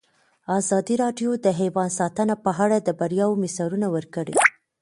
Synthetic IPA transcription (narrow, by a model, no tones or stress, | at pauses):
ɑzɑd̪iɾɑɖjod̪əɦewɑnsɑt̪ənapəɦaɽad̪əbaɾjɑwmɪsɑɾunawəɾkəɽḛ